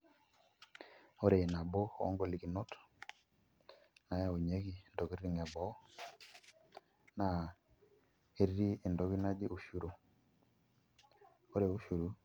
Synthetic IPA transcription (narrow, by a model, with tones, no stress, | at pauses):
o˦ɾe˨i˨na˨bo˦˨ɔ̰˦ŋɡɔ˦˨li˨ki˨nɔ˦t | na˨ja˦˨o˨ɲe˦ki˦˨ndɔ˨ɡi˦ɾɾi˦˨ŋɛ˨bɔ˨˦ | na˨ | e˦ɾɾi˦e˨ndɔ˨ki˦na˦d͡ʒi˦ʔo˨ʃu˨ɾo˨ | o˦ɾe˨u˦ʃu˨ɾu˦